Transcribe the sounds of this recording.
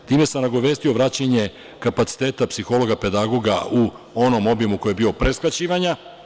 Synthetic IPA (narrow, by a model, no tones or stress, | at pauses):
t̪iːme̞samnaɡo̞ʋe̞st̪io̞ʋɾaːt͡ɕaɲe̞ | kapat̪si̥t̪eːt̪apsixo̞lo̞ɡape̞d̪aɡo̞ɡau | o̞no̞mo̞bjemuko̞jebio̞pɾe̞skat͡ɕiːʋaɲa